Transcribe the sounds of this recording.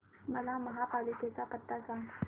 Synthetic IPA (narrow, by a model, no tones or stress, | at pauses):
məlaməɦapaliket͡sapət̪ːasa